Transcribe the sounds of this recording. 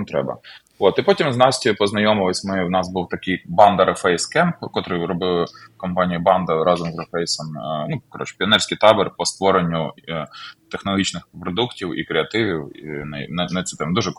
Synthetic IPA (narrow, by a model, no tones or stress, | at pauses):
t̪ɾɛ̰bɐ̰ | ot̪ipɔtʲimznɑsʲtʲipɔznɐjɔmɪʋɪsʲmɪwnɑsbuwt̪ɐkɪjbɑnd̪ɐɾefɛjskɛmpkɔt̪ɾɪɾɔbɪlˠkɔmpɑnʲijibɑnd̪ɐɾɑzɔmzrefɛjsɔmnukɔɾɔ̰t͡ʃpʲɪɐnɛrsʲkijt̪ɑbɪrpɔst̪ʋɔɾenʲːʊ | t̪exnɔlˠɐɦʲit͡ʃnɪxpɾɔd̪uktʲiwḭkɾeɐt̪ɪʋʲiwḭnɐnɐnɐt̪sʲɛt̪ɛmd̪uʒɛ